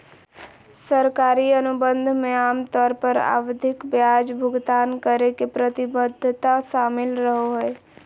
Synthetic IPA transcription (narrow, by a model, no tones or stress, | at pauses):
səɾkaɾiənubənd̪ʱmeamt̪ɔɾpəɾa̰wd̪ʱɪkbjad͡ʒbʱʊɡd̪aːnkəɾekepɾət̪ibəd̪ʱːt̪aʃamɪlɾəɦoɦoe